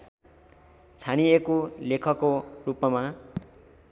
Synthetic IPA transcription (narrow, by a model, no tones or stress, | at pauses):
t͡sʰaniekolekʰʌkorupːʌma